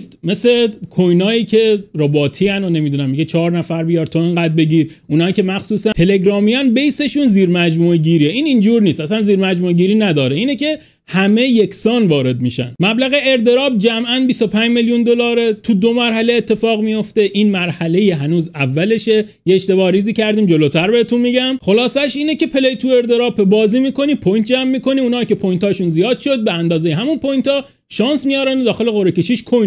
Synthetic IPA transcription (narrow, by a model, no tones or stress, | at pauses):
st̪me̞sekʰojnɒːjiːcʰe̞ɾobɒːt̪ʰiːænone̞mid̪uːnæmːiɡet͡ʃʰɒːɾnæfæɾbijɒɾt̪ʰoeŋɡæd̪̚be̞ɟiːɾ | ʔunɒːiːcʲʰe̞mæxsuːsæt̪ʰe̞le̞ɡɾɒːmijɒnbejse̞ʃuːnziːɾmæd͡ʒmueɟiːɾiːeiːnind͡ʒuːɾniːst̪ʔæsænziːɾmæd͡ʒmueɟiːɾiːnæd̪ɒːɾeiːnece̞ | hæme̞je̞kʰsɒːnvɒːɾe̞d̪̚miːʃæ̰nmæblæɣe̞eɾt̪e̞ɾɒːb̚d͡ʒæmʔænbiso̞pʰæɲd͡ʒmeljund̪o̞lɒːɾet̪ʰud̪o̞mæɾɦæleːt̪ʰːe̞fɒːɣmijo̞ft̪e̞ʔiːnmæɾhæle̞jiɦænuːzævːæle̞ʃe̞ | jeːʃt̪e̞bɒːɾiːziːcʰæɾd̪iːmd͡ʒo̞lot̪ʰæɾbehet̪ʰunmiɟæmxo̞lɒːsæʃiːnece̞pʰe̞lejt̪ʰue̞ɾt̪e̞ɾɒːbʰebɒːziːmiːko̞niːpʰojnt̪̚ʰd͡ʒæmːiːko̞niuːnɒːice̞pʰojnt̪ʰɒːʃunzijɒːd̪̥ʃo̞d̪̚beænd̪ɒːzejeɦæmunpʰojnt̪ʰɒː | ʃɒːnsmijɒːɾænod̪ɒːxe̞le̞ɣoɾecʰeʃiːʃkʰo